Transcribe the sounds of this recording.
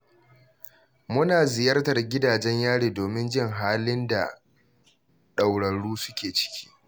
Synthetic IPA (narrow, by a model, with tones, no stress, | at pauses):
mʊ˦naː˨zɪ˨jɐ˦rtɐ˨rɡʲɪ˦daː˨d͡ʒɛ˦ɲjaː˦ɽiː˨doː˨mɪ˦nd͡ʒɪ˦˨ŋɦaː˦lɪ˦nda˨ | ɗa˨wɽɐ˨ɽuː˦sʊ̥˦kʲeː˨t͡ʃɪ̥˦kʲʰi̥ː˦